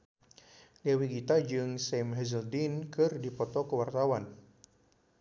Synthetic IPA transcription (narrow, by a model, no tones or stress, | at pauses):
liawiɡit̪ad͡ʒɨŋsɛmɦɛzəldinkɨrdipɔt̪ɔkəwart̪awan